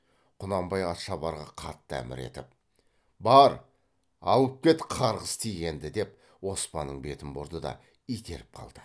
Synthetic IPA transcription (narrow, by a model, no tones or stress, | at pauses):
qʰʊnɑmbɑjɑt̪ʃɑbɑɾʁɑqʰɑt̪ːəæ̰mɪ̰ɾe̞̰t̪ɪp̚ | bɑɾ | ɑ̰lˠəp̚kʲe̞t̪qʰɑɾʁəzt̪ʰijɡʲe̞nd̪ɪd̪e̞p̚ | wo̞spɑ̰nːəɴbe̞t̪ɪmbʊɾd̪əd̪ɑ̰ | ijt̪ʰe̞̰ɾɪp̚qʰɑ̰lˠd̪̥ə